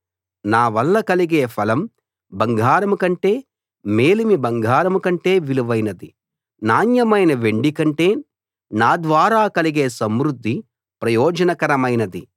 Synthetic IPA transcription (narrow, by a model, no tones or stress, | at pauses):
naːʋɐlːɐkɐliɡe̞ːpʰɐlɐm | bɐŋɡʱaːɾɐmkɐɳʈe̞ː | meːlimibɐŋɡʱaːɾɐmkɐɳʈe̞ːʋiluʋɐjnɐd̪i | naːnjɐmɐjnɐʋe̞ɳɖikɐɳʈe̞ː | naːd̪ʋaːɾaːkɐliɡe̞ːsɐmɾud̪ʱːi | pɾɐjɔːd͡ʒɐnɐkɐɾɐmɐjnɐd̪i